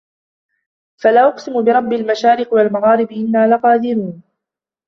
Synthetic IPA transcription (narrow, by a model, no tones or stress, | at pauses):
falaːʔʊqsɪmʊbɪɾˤɑbːɪlmaʃaːɾɪqwalmaɣɑːɾɪbɪʔɪnːaːlaqɑːd̪ɪɾiːn